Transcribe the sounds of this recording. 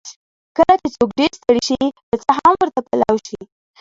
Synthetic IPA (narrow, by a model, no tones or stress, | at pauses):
kəlat͡ʃet͡sokɖeɾst̪əɽiʃid̪̥ət͡saɦamwəɾt̪apalawʃi